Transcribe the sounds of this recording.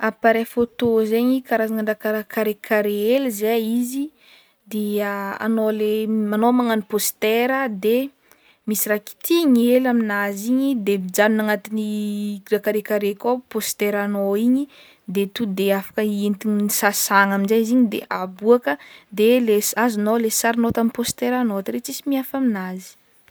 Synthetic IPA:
apaɾefot̪ozeɲikaɾazaŋəɳɖ͡ʐakaɾakaɾekʰaɾeelizeizi | d̪eəa̰nolemanomaŋanipost̪eɾəd̪e | misiraki̥t̪ʰiɲielaminaziɲid̪ebid͡ʒaninaŋat̪iniɾakaɾekaɾekʲopost̪eɾanoiɲi | d̪et̪ud̪eafḁkəint̪iɲisasaŋaminzeiziɲid̪ḛʔabuakəd̪elesazunolesaɾinot̪amipost̪eɾanot̪ɾet͡ʃisimiafaminazi̥

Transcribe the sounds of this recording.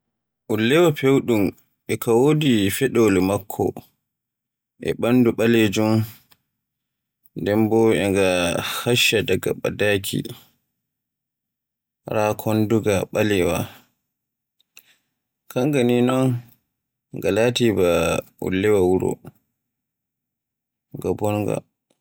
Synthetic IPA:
ʔulːɛwapewɗum | ʔɛkawodifɛɗolmakʰːɔ̰ | ʔɛ̰ɓanduɓaled͡ʒum | ndɛmbɔɛŋɡahaʃːadaɡa̰ɓa̰dakʰḭ | ɾakʰɔnduɡaɓalɛwa̰ | kʰaŋɡaninɔn | ŋɡalatibaṵlːɛwawuɾɔ̰ | ŋɡabɔnɡa̰

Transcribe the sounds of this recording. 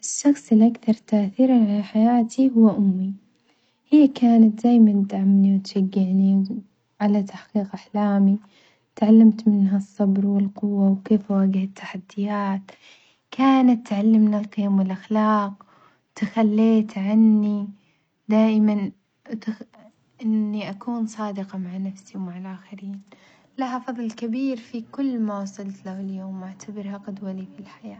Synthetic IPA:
ʔɪʃːɑxsˤɪlːʔakθɑɾˤt̪aʔθiːɾanʕalaħajaːt̪ʰiɦʊwːaʔʊmːi | hijːakaːnat̪̚d̪aːjmand̪aʕamniwt̪ʃaɡːɪʕni | ʕalat̪ʰaħqiːqʔaħlaːmi | t̪ʕalːamt̪mɪnɦasˤːɑbɾwɪlqʊwːawkeːfwaːɡɪhat̪ʰːḁħad̪ːɪjaːt̪ | kʰaːnat̪ːʕalːɪmnalqɪjamwɪlʔaxlɑːq̚ | t̪axalːeːt̪ʕanːi | d̪aːʔɪman | t̪ | ʔɪnːiʔakuːnsˤɑːd̪ɪqɑmaʕnafsiwmaʕalʔaːxɪɾiːn | lahafɑðˤlkabiːɾfikʊlːmawɑsˤɑlt̪lahɪljoːmʔaʕt̪ʰabɪɾhaqad̪walifilħajaː

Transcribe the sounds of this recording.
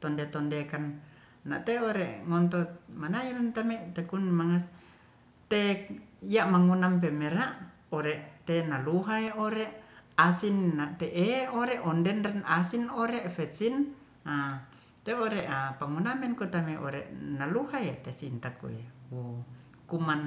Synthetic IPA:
t̪ɔndet̪ɔndekanː | a̰ʔt̪eoɾeʔŋɔnt̪omanajulnt̪amɛt̪ekunmaŋas | t̪eijaʔmaŋunamp̬ɛmɛɾaʔ | ɔɾɛʔt̪enaluɦaeoɾeʔasinːaʔt̪eʔeoɾɛʔɔndɛnrɛnasinɔɾeʔfɛsin | a | t̪eoɾeʔapaŋunamɛnkut̪amɛʔɔ̰ɾɛ̰ʔnaluhaet̪esint̪akṵewu | kuman

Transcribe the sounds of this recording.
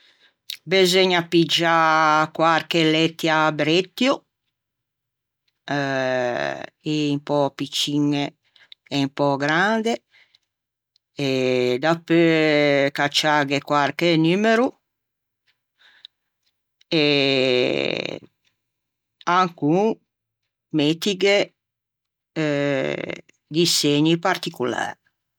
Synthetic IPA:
bezeɲapid͡ʒakwarkelɛt̪ːjabɾet̪ːju | impɔpit͡ʃːiŋːeː | mpɔɡɾand̪e | ed̪apøkat͡ʃːaɡekwaɾkenymeɾu | e | aŋku | met̪iɡe | d̪iseɲipart̪ikula̰ɾ

